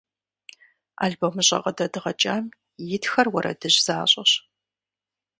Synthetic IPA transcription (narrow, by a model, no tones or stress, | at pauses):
a̰ːɮbomɨɕʼɐ̰qɐdɐdɨʁɐt͡ʃʼaːm | jɪtʰxɐrwɐɾʔɐ̰dɨʑz̥aːɕʼɐɕ